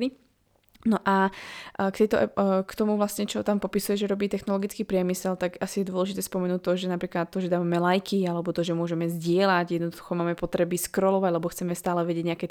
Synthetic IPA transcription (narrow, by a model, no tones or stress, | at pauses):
li | nɔʔa | kt̪ɛjt̪ɔkt̪ɔmuvlasɲɛt͡ʃɔt̪ampɔpisujɛʒɛɾɔbiːt̪ɛxnɔlɔɡit͡skiːpɾɪɛmisɛlt̪aɡasijɛd̪ʊɔlɛʒit̪ɛːspɔmɛnuːt̚t̪ːɔʒɛnapɾiːklat̪ːɔʒɛd̪aːʋamɛlajkʰialɛbɔt̪ɔʒɛmʊɔʒɛmɛzɟɪɛlaɟjɛd̪nɔd̪uxɔmaːmɛpɔt̪ɾɛbiskɾɔlɔʋaɟlɛbɔxt͡sɛmɛst̪aːlɛʋɛɟɪɛɟɲɛakɛt̪